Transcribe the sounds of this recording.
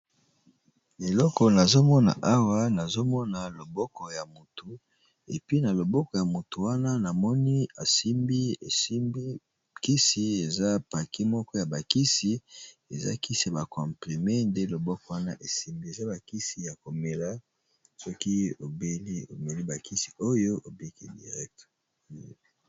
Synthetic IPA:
e˨lɔ˦kɔ˨na˨zo˦mɔ˦na̰˨ʔa˦wa˦na˨zo˦mɔ˦na˨lo˨bɔ˦kɔ˨ja˨mo˨tu˨ | ḛ˨pi˦na˨lo˨bɔ˦kɔ˨ja˨mo˨tu˨wa˦na˦na˨mɔ˦ni˦a˨si˦mbi˦˨˦ | ki˦si˦e˨za˦pa˨kʰi˦mɔ˦kɔ˦ja˨ba˨ki˦si˦e˨za̰˦ki˦si˨a˨ba˨kɔ̃˨mple˨mɛ˦nde˦lo˨bɔ˦kɔ˨˦wa˦na˦ʔe˨si˦mbi˦e˨za˦ba˨ki˦si˨ja˨ko˨me˨la˦ | sɔ˦ki˦o˨be˦li˦o̰˨me˨li˦ba˨ki˦si̥˨o˦jo˦ʔo˨be˦kḭ˦dḭ˨ʁɛ˦k̚t

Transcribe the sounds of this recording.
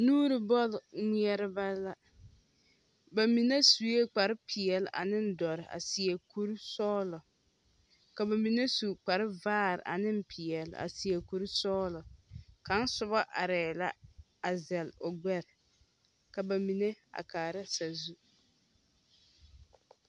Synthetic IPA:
nuː˦ɾɪ˨bɔ˦lŋi˦ɛ˦ɾɪ˦ba˦la˦ | ba˨mi˨ne˦su˨je˦k͡pa˨ɾɪ˦pʰɪ˨ɛ˨lʔa̰˨nɪ˦n˦dɔ˨ɾɪ˨ʔa̰˨si˨ɛ˨ku˦ɾi˦sɔː˦lɔ˨ | ka˨ba˨mi˨ne˦su˨k͡pa˨ɾɪ˦vaː˦ɾɪ̰˨ʔa̰˨nɪ˦m˦pʰɪ˨ɛ˨l̰a̰˨si˨ɛ˨ku˨ɾi˦sɔː˦lɔ˨ka˨˦n˦sʊ˨ba˦ʔa˨ɾɛː˨la̰˦ | a˨zɛ˨lʊ˨ɡ͡bɛ˦ɾɪ˨ | ka˨ba˨mi˨ne˦a̰˨kaː˨ɾa˦sa˨zu˦

